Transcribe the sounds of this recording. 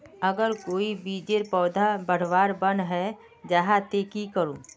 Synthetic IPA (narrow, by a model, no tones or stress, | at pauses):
əɡəɾkoːibiːd͡ʒeɾpɔːd̪ʱabəɽ̤ʋaːɾbənɦɛ | d͡ʒaɦat̪eːkikəɾũː